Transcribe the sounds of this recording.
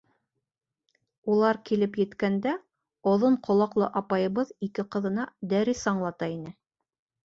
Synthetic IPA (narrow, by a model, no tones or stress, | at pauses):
ulˠɑɾkilɘpjɘ̆t̪kænd̪æ | ŏðoɴqʰŏlˠɑqlˠɤʔɑpɑjɤ̆βɤðikɘqɤ̆ðɤ̆nɑd̪æɾisɑɴlˠɑt̪ɑinɘ